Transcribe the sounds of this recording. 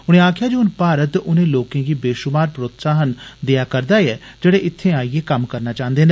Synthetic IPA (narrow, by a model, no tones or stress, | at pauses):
ʊñẽːaːkʰɪjaːd͡ʒoːʊnpaːɾət̪ʊnẽːloːkẽːɡiːbeːʃʊmaːɾpɾoːt̪saːɦənd̪ɪjaːkəɾd̪aːɛːd͡ʒeːɽeːʔɪt̪ʰːẽːaːieːkəmkəɾnaːt͡ʃãːnd̪eːneː